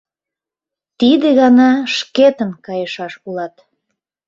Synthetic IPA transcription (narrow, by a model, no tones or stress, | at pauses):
t̪id̪eɣɑnɑʃket̪əmkɑjəʃɑʃulɑt̪